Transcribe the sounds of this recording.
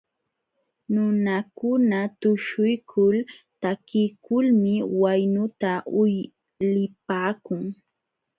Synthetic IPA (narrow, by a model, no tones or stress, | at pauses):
nʊnakʊnat̪ʊʃʊjkʰʊlt̪akɪkʊlmɪwajnʊt̪aʊj | lɪpaːkʊŋ